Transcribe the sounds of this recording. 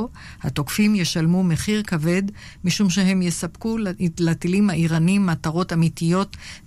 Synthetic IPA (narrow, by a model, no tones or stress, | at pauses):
ha̰to̞kfimje̞ʃalmume̞χiʁkave̞d | miʃumʃe̞ɦe̞mjesapkulatilimhaʔiʁanimat̪aʁo̞tamitijo̞t